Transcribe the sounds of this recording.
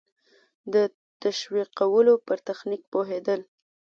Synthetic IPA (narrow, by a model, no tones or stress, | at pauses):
d̪ə | t̪aʃwiqawəlopəɾt̪axnik̚poɦed̪əl